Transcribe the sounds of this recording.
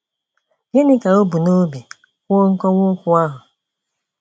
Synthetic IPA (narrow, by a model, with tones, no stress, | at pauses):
ɦɪ˦nɪ˦ka˨o˦bu˨no˦bi˨ | kʷo˦ŋ̩˦kɔ˦ŋʷʊ˦kʷʊ˦a˦ɦʊ˨